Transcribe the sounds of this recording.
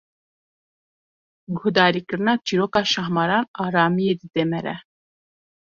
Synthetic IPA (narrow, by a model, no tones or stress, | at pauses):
ɡud̪ɑɾikəɾnɑt͡ʃʰiɾɔkɑʃaɦmɑɾɑnɑɾamijɛd̪id̪ɛmɛɾɛ̰